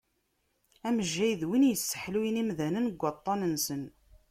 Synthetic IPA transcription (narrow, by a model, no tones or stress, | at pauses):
æməʒːæjðwinjəsːə̥ħlujinimðænənɡʷːɑt̪ˤːɑnənsən